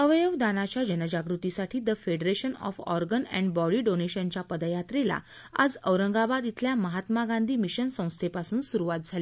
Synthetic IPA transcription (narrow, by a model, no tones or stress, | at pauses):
əʋəjəʋd̪anat͡ɕjad͡ʑənəd͡ʑaɡɾut̪isaʈʰiːd̪əfeɖɾeɕənɔ̰fɔ̰ɾɡənɛ̰̃ɳɖbɔɽiːɖoneɕənt͡ɕjapəd̪ajat̪ɾela̰ | a̰d͡zəʋɾəŋɡabad̪it̪ʰljaməɦat̪maɡãnd̪ʱiːmiɕənsə̃w̃st̪ʰepasuːnsuɾuʋat̪̚d͡zʱali